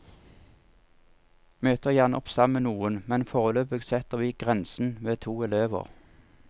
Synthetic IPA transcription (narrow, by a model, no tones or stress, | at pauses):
møːt̪əʁjæːʁnəʔɔpsɑmənuːənmɛnfoːʁəløːpəɡsɛt̪əʁʋiːɡʁɛnsn̩ʋeːt̪ʰuːɛløːʋə̰ʁ